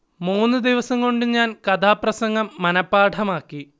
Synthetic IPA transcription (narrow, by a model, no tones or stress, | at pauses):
muːnːɨd̪iʋɐsɐŋko̞ɳɖuɲaːnkɐt̪ʰaːprɐsɐŋɡɐmːɐnɐpːaːʈʰɐmaːkːi